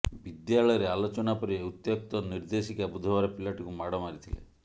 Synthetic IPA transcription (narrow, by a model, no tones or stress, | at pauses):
bid̪jaɭɔjɔɾealot͡ʃɔnapɔɾieut̪jɔk̚t̪ɔniɾd̪esikabud̪ʱɔʋaɾɔpilaʈikumaɽɔmaɾit̪ʰilḛ